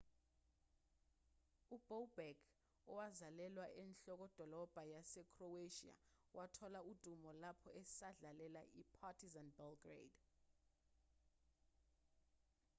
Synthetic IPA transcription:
ub̥olbɛɡ | ɔwazalɛlwaʔɛnɬɔk̬ɔd̥ʱɔlɔb̥ʱajasɛkʰroweʃia̰wʔatʰɔlaud̥ʱumɔlapʰɔɛsaɮalɛlaʔipʰatʰizanbalɡrḛd̥

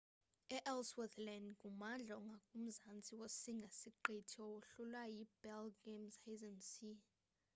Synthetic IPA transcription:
ɛʔɛlswɛtlɛndɡʱumand͡ɮʱaŋɡʱakʼum̩zant͡sʼiwosiŋɡʱesiǃitʰiɔwoɬulwajib̥ɛlɡemsajzɛnsi

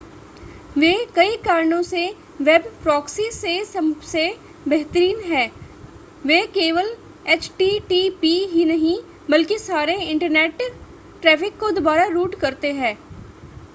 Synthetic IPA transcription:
ʋeːkɐikaːɾɳõse | ʋebpɾɔːksisesɐse | bɛɦt̪əɾiːnɦɛː | ʋeːkeːʋəl | eːt͡ʃʈiʈiːpiɦinɐɦĩ | bɐlkisaːɾeɪ̃ɳʈəɾneːʈ | ʈɾɛːpʰɪkːod̪obaːɾaɾuːʈkɐɾt̪eɦɛ̃ː

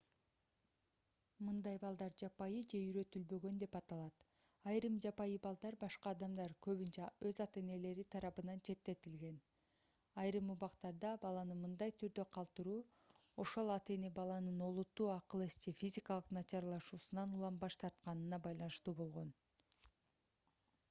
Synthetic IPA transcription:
mɯnd̪ɑjbɑlˠd̪ɑɾd͡ʒɑpɑjɯd͡ʒe̞yɾø̞t̪ylbø̞ɡø̞nd̪e̞pɑt̪ɑlˠɑt̪ | ɑjɾɯmd͡ʒɑpɑjɯbɑlˠd̪ɑɾbɑʃqɑːd̪ɑmd̪ɑɾkø̞βynt͡ʃæø̞zɑt̪e̞ne̞le̞ɾit̪ʰɑɾɑpɯnɑnt͡ʃʰe̞t̪ːe̞t̪ilɡe̞n | ɑjɾɯmuβɑqt̪ɑɾd̪ɑbɑlˠɑnɯmɯnd̪ɑjt̪ʰyɾd̪ø̞qʰɑlˠt̪ɯɾuː | o̞ʃo̞lˠɑt̪e̞ne̞bɑlˠɑnɯno̞lˠut̪ːuːɑqɯlˠest̪ifʲizʲikɑlˠɯqnɑt͡ʃɑɾlˠɑʃuːsunɑnulˠɑmbɑʃt̪ʰɑɾt̪̚qɑnɯnɑbɑjlˠɑnɯʃt̪uːbo̞lˠʁo̞n

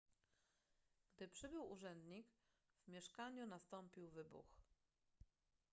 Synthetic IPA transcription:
ɡ̥d̪ɘpʂɘbɘwuʐɛnd̪ɲik | vmʲjɛʂkaɲunast̪ɔmpʲiwvɘbṵx

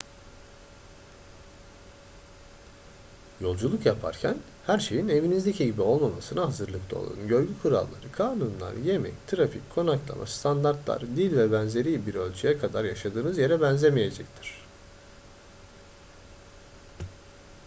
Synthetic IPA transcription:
jo̞lˠd͡ʒulˠukjapʰa̰ɾcʰæn | hæɾʃe̞jine̞vinizd̪e̞cʰiɟibio̞lˠmamasɯnaɦazɯɾlˠɯkt̪ʰˠao̰lˠa̰ɯnɟø̞jɟykʰuɾa̰lˠːa̰ɾɯkʰaːnunlˠa̰ɾje̞mɛ̰ct̪ʰɯɾafḭckʰːo̞naklˠa̰mʔa̰st̪ʰand̪aɾt̪lˠa̰ɾd̪ilʲvɛbænze̞ɾijbiɾø̞lʲt͡ʃʰyjɛkʰad̪aɾjaʃad̪ɯːnɯzje̞ɾɛbænzʲemije̞d͡ʒɛct̪ʰi̥ɾ̝̥

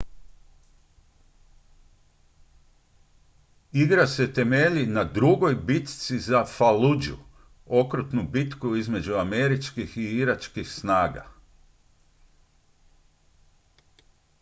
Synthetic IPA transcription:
iɡɾase̞t̪e̞meʎinad̪ɾuɡo̞jbit̪t̪sizafalud͡ʒṵ | o̞kɾut̪nubit̪kuizme̞d͡ʑuame̞ɾit͡ʃkixiiɾat͡ʃkixsnaːɡa̰

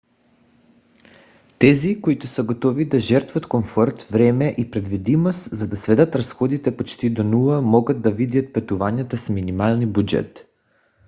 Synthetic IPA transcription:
t̪ɛzikoit̪usaɡot̪ɔvid̪aʒɛɾt̪vat̪komfɔɾt̪vɾɛmɛʔipɾɛd̪vid̪imost̪zad̪asvɛd̪ɐt̪ɾasxɔd̪it̪ɛpot͡ʃt̪id̪onulˠamɔɡad̪̚d̪avid̪jat̪̚pɛt̪uvaɲʲat̪asminimalˠnibud͡ʒɛ̰t̪

